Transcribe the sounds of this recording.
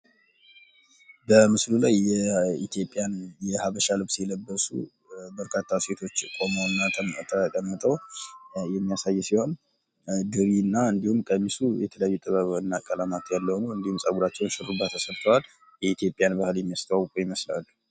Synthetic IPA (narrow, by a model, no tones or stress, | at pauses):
bəmɨslulajɛit̪ʰijo̞pʼijanjɛhaβəʃalɨβsjɛləbːəsṵ | bəɾkʰat̪ʰːase̞t̪ʰo̞t͡ʃːkʼo̞mownːat̪ʰəkʼəmːɨt̪ʼəwjɛmːijasajːsiho̞n | ɡɨɾinːaɨnd̪ihumkʼəmisujɛt̪ʰələjajːut̪ʼɨβəβɨnːakʼəlamat̪ʰjalːəhnuwɨnd̪ihumsʼaɡuɾat͡ʃːɛwnʃɨrubːat̪ʰːəsəɾt̪ʰəwal | jɛit̪jo̞pʼijanbahɨljɛmːijast̪ʰəwawkʼujɪməsla̰lː